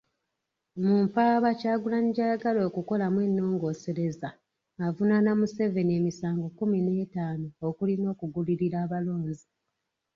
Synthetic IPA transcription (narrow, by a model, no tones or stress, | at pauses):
muːmpaːβacaːɡulaɲɟaɡalo̞ːkuko̞lamwe̞nːo̞ːŋɡo̞ːse̞ɾe̞zaː | vunanamuse̞ve̞nie̞ːmisaːŋɡo̞kumine̞ːtaːnoːkulino̞ːkuɡuliɾiɾaːβalo̞ːɲzi